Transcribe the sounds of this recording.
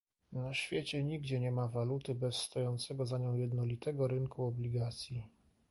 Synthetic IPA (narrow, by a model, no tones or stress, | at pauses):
naɕfʲjet͡ɕɛɲiɡd͡ʑɛɲɛmavalut̪ɘbɛsːt̪ɔjɔnt̪sɛɡɔzaɲɔ̃w̃jɛd̪nɔlʲit̪ɛɡɔɾɘnkuɔblʲiɡat̪sʲji